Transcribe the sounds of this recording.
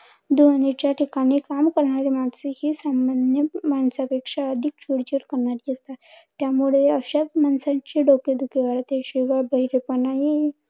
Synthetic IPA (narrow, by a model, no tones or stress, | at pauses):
d̪uɦaɽ̃it͡ɕjaʈʰikaɽ̃ikamkəɾɳaɾemansehisambanjəmansapekʂaəd̪ʱik̚t͡ɕʰiɽt͡ɕəɾkəɾɳaɾjest̪a | t̪jamuɭeəɕat͡smansat͡ɕiɖoked̪ʱukeʋaɽat̪eɕiʋabəɦiɾepənaɦi